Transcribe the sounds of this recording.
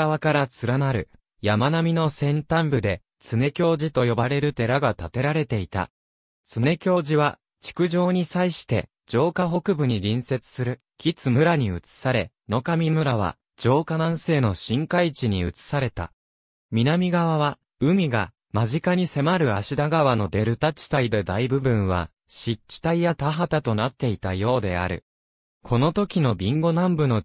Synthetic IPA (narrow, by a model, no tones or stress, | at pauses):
aβakaɾat͡sɨɾanaɾɯ̟ | jamanamʲino̞sẽ̞nt̪ãmbɯ̟d̪e̞ | t͡sɨne̞kʲo̞ːʑit̪o̞jo̞baɾe̞ɾɯ̟t̪e̞ɾaɡat̪at̪e̞ɾaɾe̞t̪e̞it̪a̰ | sɨne̞kʲo̞ːʑiβa | t͡ɕi̥kɯ̟ʑo̞ːɲ̟isaiɕi̥t̪e̞̰ | d͡ʑo̞ːkaɦo̞kɯ̟bɯ̟ɲ̟iɾʲĩɰ̃se̞t͡sɨ̥sɨɾɯ̟ | kʲit͡sɨmɯ̟ɾaɲ̟iɯ̟t͡sɨ̥saɾe̞ | no̞kamʲimɯ̟ɾaβ̞a̰ | d͡ʑo̞ːkanãɰ̃se̞ːno̞ɕĩŋkait͡ɕiɲ̟iɯt͡sɨ̥saɾe̞t̪a̰ | mʲinamʲiɡaβaβ̞a | ɯ̟mʲiɡa̰ | maʑikaɲ̟ise̞maɾɯ̟aɕid̪aɡaβano̞d̪e̞ɾɯ̟t̪at͡ɕi̥t̪aid̪e̞d̪aibɯ̟bɯ̟̃ɰ̃βa̰ | ɕit͡ɕːi̥t̪aijat̪aɦat̪at̪o̞nat̪ːe̞it̪ajo̞ːd̪e̞a̰ɾɯ̟̰ | kʰo̞no̞t̪o̞kʲino̞bʲĩŋɡo̞nãmbɯ̟no̞